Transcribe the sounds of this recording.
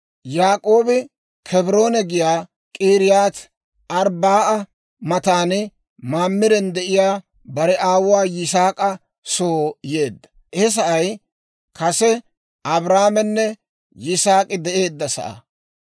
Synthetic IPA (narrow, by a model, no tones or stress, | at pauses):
jaːkʼo̞ːbɪ | kʰɛbɾo̞ːnɛɡɪjaː | kʼiːɾɪjaːt̪ | ɐɾbaːʔɐ | mɐt̪aːnɪ | maːmːɪɾɛnd̪ɛʔɪjaː | bɐɾɛʔaːwʊwaːjɪsaːkʼɐ | soːje̞ːd̪ːɐ̥ | hɛs̬ɐʔɐj | kɐsɛ | ɐbɾaːmɛnːɛ | jɪsaːkʼɪd̪ɛʔe̞ːd̪ːɐsɐ̰ʔɐ̰